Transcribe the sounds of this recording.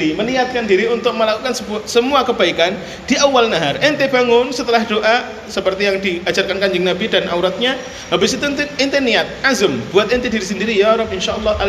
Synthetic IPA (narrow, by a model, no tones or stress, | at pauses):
imənijat̪̚kandiɾiunt̪ʊk̚məlakukansəbsəmuakəbaikan | d̥iʔawalnaɦarʔɛnt̪ebaŋʊnsət̪əlahd̥oʔa | səpərt̪ijaŋdiad͡ʒarkankaɲd͡ʒəŋnabidanʔa̰wɾat̪̚ɲa | habɪsit̪unt̪ɪnt̪eniat̪̚ʔazəmbuat̪̚ɪnt̪ediɾisəndiɾijaɾɔp̚ɪnʃaʔɔlːɑhʔa